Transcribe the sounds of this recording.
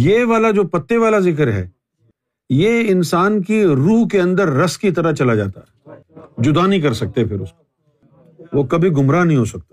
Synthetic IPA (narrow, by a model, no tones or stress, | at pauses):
jeːʋaːlad͡ʒoːpɐt̪ːeʋaːlazɪk̬əɾɦɛ̰ː | jeːɪnsaːnkiɾuːɦkeɐ̃nd̪əɾːɐskit̪ɐɾɐt͡ʃɐlad͡ʒa̰ːt̪a̰ɦɛd͡ʒʊd̪aːnɐɦĩk̬ɐɾsɐk̚t̪epʰɪɾʊskḁ | ʋoːkɐbʱiɡʊmɾanɐɦĩɦoːsɐk̚t̪a